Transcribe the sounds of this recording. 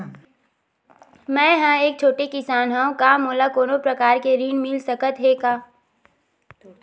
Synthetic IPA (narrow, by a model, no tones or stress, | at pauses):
mɛ̃ːɦãeːk̚t͡ʃʰoːʈekɪsaːnɦãõkaːmoːlakoːnõpɾɐkaːɾkeɾiːnmɪlsəkət̪ɦeːkaː